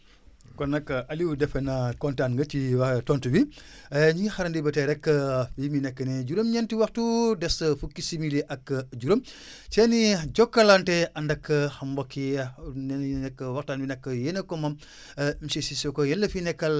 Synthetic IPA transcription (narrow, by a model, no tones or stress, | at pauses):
konɐkːɐʔɐliwudɛfenɐkontanŋɡɐt͡ʃiwatontubi | ɲixɐɾɐndibɐteɾɛkːɐiminɛkːɐneɟuɾomɲɐntiwɐxtudɛsɐfukːisimiliʔɐkːɟuɾom | t͡ʃeniɟɔkːɐlanteɐndɐkːɐxɐmbokːinnɛkːɐwaxtanbinɐkːɐjenɐkomɐm | misisisokojɐlːɐfinɛkːɐl